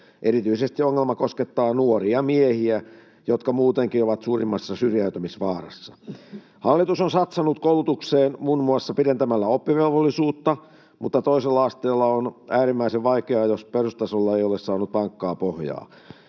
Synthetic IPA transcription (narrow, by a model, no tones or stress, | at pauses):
ʔeɾit̪yisest̪ioŋːelmɑkosket̪ːɑːnuoriɑmiehiæ | jot̪kɑmuːt̪eŋkioʋɑt̪suːrimːɑsːɑsyrjæyt̪æmisʋɑːrɑ̰sːɑ̥ | hɑlːit̪usonsɑt̪sɑnut̪koulut̪ukseːnmunmuɑsːɑpiɾent̪æmælːæopːiʋelʋolːisuːt̪ːɑ | mut̪ːɑt̪oiselːɑɑst̪eːlːɑonæːɾimːæiseʋʋɑikeɑjosperust̪ɑsolːɑejolessɑːnut̪̚pɑŋkːɑːpohjɑ̰ː